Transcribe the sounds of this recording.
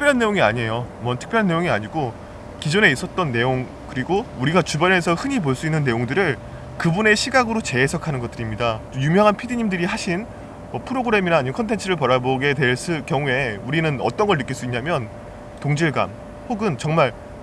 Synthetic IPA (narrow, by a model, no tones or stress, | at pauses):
tʰɯkp͈jɾjanːe̞joŋiaɲie̞jomʌntʰɯ̥k̚pjʌɭanːe̞joŋiaɲiɡo | kid͡ʑone̞is͈ʌt̚t͈ʌnːe̞joŋ | kɯɾiɡouɾiɡat͡ɕubjʌnɦe̞sʰʌhɯɲipoɭs͈uinːɯnːe̞joŋdɯɾɯɭ | kɯbune̞ɕʰiɡaɡɯɾot͡ɕe̞ːsʰʌkʰanɯnɡʌt͈ɯɾimɲidat͈ojumjʌŋɦanpʰidiɲimdɯɾihaɕʰin | ʌpʰɯɾoɡɯɾe̞minaːɲimkʰʌntʰe̞nt͡ɕʰɯɾɯɭpʌɾaboɡe̞twe̞ɭs͈ɯkjʌŋue̞uɾinɯnʌ̰t͈ʌnɡʌɭnːɯk͈iɭs͈uiɲɲamjʌn | toŋd͡ʑiɭɡa̰m | hoɡɯnt͡ɕʌŋmaɭ